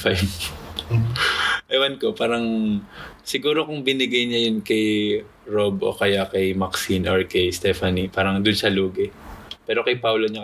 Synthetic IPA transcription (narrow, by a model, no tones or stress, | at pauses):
faj | ʔɐjwɐnkopaːɾɐŋ | sɪɡuːɾokʊŋbɪnɪɡɐjɲɐjonkɐj | ɹobʔo̞̰kɐjakɐjmɐksinʔoɹkɛjst̪ɛfɐnipaːɾɐŋd̪ʊnsɐluːɡɪpɛːɾo̞kɐjpawloɲa